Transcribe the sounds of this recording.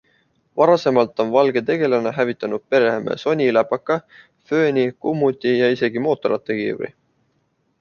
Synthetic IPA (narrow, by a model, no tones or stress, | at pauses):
vɑɾɑse̞mɑlt̪ːˑo̞nvɑlɡe̞t̪e̞ɡ̥e̞lɑneɦævit̪ːˑɑnud̪̥̚pe̞ɾehemḛso̞nʲilæpːɑkːˑɑ | fø̞ːnʲikumːut̪ʲːijɑise̞ɡimo̞ːt̪ːˑo̞ɾʔɑt̪ːˑekḭːɾḭ